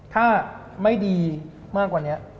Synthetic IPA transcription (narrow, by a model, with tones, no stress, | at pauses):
t̪ʰaː˥˩ | ma˥˩jdiː˧ | maː˥˩kwaː˨˩ni˦˥ɐʔ